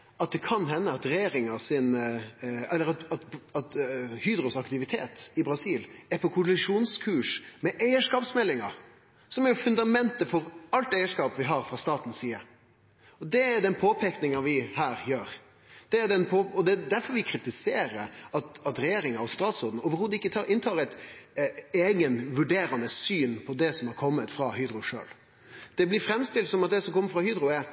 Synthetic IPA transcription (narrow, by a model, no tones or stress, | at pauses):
ɑt̪̚d̪ɛkʰɑnɦɛnːəɑt̪ɾɛjeːɾɪŋɑsɪn | ɛlːəɾɑt̪ɑt̪ɑt̪hyːd̪ɾʊsɑkt̪ɪʋɪt̪ʰḛːt̪ɪbɾɑsiːlæɾpʰɔkʰʊlɪʂuːnskʰʉːʂmɛʔæɪəʂkɑːpsmɛlːɪŋɑ̰ɾ | sɔmæɾjʊfʉnd̪ɑmɛnt̪əfɔɾɑlt̪æɪəʂkɑːpʋɪɦɑɾfʁɑst̪ɑːt̪n̩siːə | ɔd̪ɛæd̪ɛnpʰoːpʰeknɪŋɑʋɪhæːɾjøːɾ | d̪̥ɛæd̪ɛnpʰoːɔd̪ɛd̪æɾfɔɾʋɪkʰɾɪt̪ɪseːɾəɾɑt̪ɑt̪ɾɛjeːɾɪŋɑɔst̪ɑːt̪sɔɾd̪n̩oːʋəɾhod̪əɪkːət̪ʰɑʔɪnt̪ʰɑːɾæɪt̪ | eːɡənʋʉɖeːɾɑnəsyːnpʰɔd̪ɛsɔmɑɾkʰɔmːət̪fɾɑɦyːd̪ɾʊʂø̰ːl | d̪̥ɛblɪɾfɾɛmːst̪ɪlt̪sɔmɑt̪̚d̪ɛsɔmkʰɔmːəɾfɾɑhyːd̪ɾʊɛ